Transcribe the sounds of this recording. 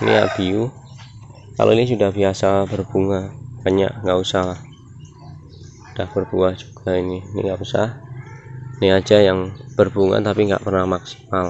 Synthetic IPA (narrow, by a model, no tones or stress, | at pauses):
nḭa̰ʔb̥iu | ka̰lo̰inisudahbiasabərb̥uŋab̥aɲa̰ʔŋɡaʔusahlah | ud̥ahb̥ərbuahd͡ʒu̥ɡ̥aininḭŋɡaʔusa̰h | niad͡ʒajaŋb̥ərbuŋa̰t̪apiŋɡa̰ʔpərnahmaksi̥mal